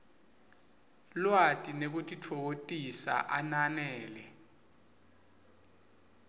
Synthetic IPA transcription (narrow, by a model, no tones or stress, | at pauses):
lwatʼinek̬utʼitʰowotʼisa̰ʔananɛɛːlɛ